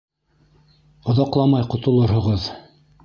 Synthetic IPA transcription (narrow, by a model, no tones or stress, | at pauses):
ŏðɑqlˠɑmɑjqŏt̪ŏlˠoɾhŏʁɤð